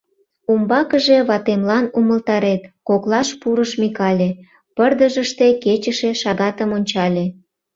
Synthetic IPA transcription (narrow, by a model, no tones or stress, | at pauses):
umbɑkəʒeβɑt̪emlɑnuməlt̪ɑɾet̪koklɑʃpuɾəʃmikɑlʲe | pərd̪əʒəʃt̪e̽ket͡ɕəʃeʃɑɣɑt̪əmonʲt͡ɕɑlʲe